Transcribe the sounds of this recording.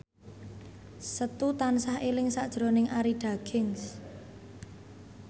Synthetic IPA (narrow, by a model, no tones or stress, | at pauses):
sət̪ut̪ansahelɪŋsaʔd̥ʒ̥ɾo̤nɪŋʔaɾiɖ̥a̤ɡ̥ɪŋs